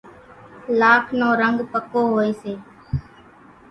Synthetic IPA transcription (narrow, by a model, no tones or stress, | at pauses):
laːkʰnõːɾəŋɡpəkoːɦoːeːseː